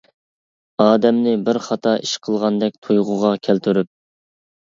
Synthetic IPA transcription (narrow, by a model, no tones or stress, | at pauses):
ɑːd̪ɛmnɪbɪɾχɑt̪ʰɑʔiʃqʰəlˠʁɑnd̪ɛk̚ʲt̪ʰujʁʊʁɑkʲʰælt̪ʰyɾyp̚